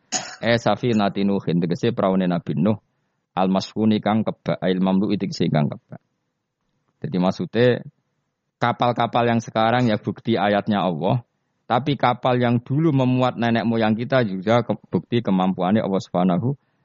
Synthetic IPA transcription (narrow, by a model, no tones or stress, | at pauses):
ʔɛsafinat̪inuhint̪əkəsɪpɾʔaunenab̥i̤nʊh | ʔalmaskunikaŋkəb̥aʔilmamluʔit̪əkəsɪŋka̰ŋkəb̥a̤ʔ | dd͡ʒ̥a̤d̪imasut̪e | kapalkapaljaŋsəkaɾaŋjab̥ṳk̚t̪iajat̪̚ɲaɔlːɔh | t̪apikapaljaŋd̪̥uluməmuat̪̚nɛnɛʔmojaŋkit̪ad͡ʒuɡ̥ab̥ṳk̚t̪ikəmampuaneʔɔ̰lwɔhsu̥fanaɦu